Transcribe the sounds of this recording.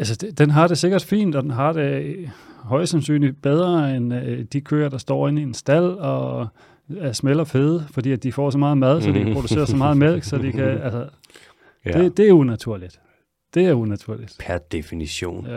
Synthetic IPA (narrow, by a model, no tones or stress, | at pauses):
ælsəd̥ed̥enɦɑ̈ɾ̥e̝se̝ɡ̥ɐd̥fḭːnd̥ɒ̽d̥enɦɑ̈d̥e | ɦɒ̽ɪsæmsy̰ːnlib̥eð̞ˠʁɐend̥ikʰø̰ːɐɾ̥ɑ̈sd̥ɒ̰ːe̝niensd̥æl̰ɒ | smelɐfeð̞ˠfɒd̥ḭːæd̥ifɒ̰sɒ̽mɑ̈ːð̩ˠmæð̞ˠsɒ̽d̥ipʰʁo̝ɾuse̝̰ːɐsɒmɑ̈ːð̞̩ˠmel̰ɡ̥sɒ̽d̥ikʰæælsɐ | d̥e̝d̥e̝æɐunæt͡sʰuɐ̰lid̥ | d̥e̝æɐunæt͡sʰuɐ̰lid̥pʰæd̥efiniɕo̝̰ːn